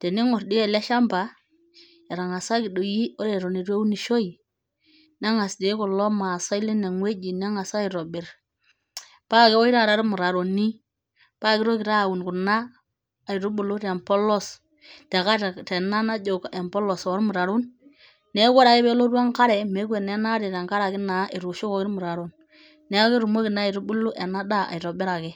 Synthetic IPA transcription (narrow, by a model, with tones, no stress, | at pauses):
te˨ni˦ŋɔ˨ɾdi˦ɛ˨le˦ʃa˦mba˨ | e˨ɾa˨ŋa˨sa˦kɪ˨do˨ji˦o˦ɾe˨ɾo˨ni˨ɾwe˦u˦ni˨ʃo˦i˨ | na˦ŋa˨sde˨˦kɔ˨lɔ˦ma˨sa˦jle˦ne˨ŋwe˦d͡ʒi˨na˦ŋa˨sa˦ɪ˨ɾo˨bɪ˨ɾ | pa˦kɛ˦ɔ˦i˦ɾa˦˨ɾa˦ɾmu˨ɾa˨ɾo˨ni˦ | pa˦kɪ˦ɾo˦kɪ˨ɾa˦˨wu˨nku˨naː˦˨ | i˨ɾu˦bu˨lu˦ɾe˨mpɔ˦lɔ˦s | tɛ˨ka˦˨tɛ˨na˦na˦d͡ʒo˨ke˨mpɔ˦lɔ˨sɔ˨˦ɾmu˨ɾa˨ɾu˦n | nɛ˦ɡɔ˦ɾa˨kɪ˦bɛ˦lo˦ɾwa˦ŋka˦ɾɛ˨me˨˦kwe˨nɛ˦na˦ɾe˨ɾa˨ŋka˦ɾa˨kɪ˦na˨ʔɪ˨ɾu˨ʃo˦kɔ˨kɪ˦ɾmu˨ɾa˨ɾo˨n | nɛ˦ke˦ɾu˨mo˦kɪ˨na˦˨i˨ɾu˦bu˦lu˦ʔe˨na˦da˦a̰˨i˨ɾɔ˨bɪ˦ɾa˨kɛ˦